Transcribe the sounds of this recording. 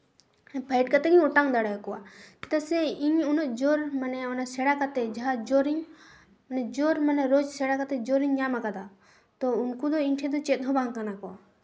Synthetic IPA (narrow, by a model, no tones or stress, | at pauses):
pʰajʈ̚kat̪ɛɡiɲuʈaŋd̪aɽajkɔwa̰t̪ɐ̥t̪asɛiɲunɔʔd͡ʒoɾmanɛɔnasɛɽakat̪ɛd͡ʒaɦad͡ʒoɾiɲ | mnɛd͡ʒoɾmanɛɾod͡ʒsɛɽakat̪ɛd͡ʒoɾiɲjamakad̪a | t̪ɔunkud̪ɔinʈʰɛ̃d̪ɔt͡ʃɛt̪̚ɦɔbãŋkanakɔa